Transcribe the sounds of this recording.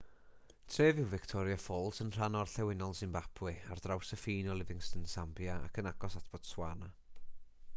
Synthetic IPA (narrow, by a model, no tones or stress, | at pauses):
tʰr̥eːvɪwvɪktʰɔɾjafɔlˠsənr̥anɔrɬɛwɪnɔlˠsɨnbapʰwɪardrawsəfiːnɔlˠɪvɪŋstənsambjaa̰kʰənaɡɔsatʰb̥ɔd̥swana